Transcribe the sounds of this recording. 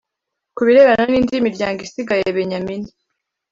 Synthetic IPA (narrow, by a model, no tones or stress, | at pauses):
kuβiɾe̞βananiːndimiɾɟaːŋɡisiɡajeβeɲamini